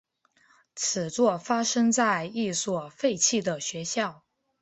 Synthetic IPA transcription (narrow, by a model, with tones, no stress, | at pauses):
t͡sʰɹ̩˨˩t͡swɔ˥˩fa˥ʂɤ˥ŋt͡sa˥˧ɪi˥˩swɔ˨˩fe˥˧ɪt͡ɕʰi˥˩d̪ə˩ɕɥɛ˧˥ɕjɑ˥˩ʊ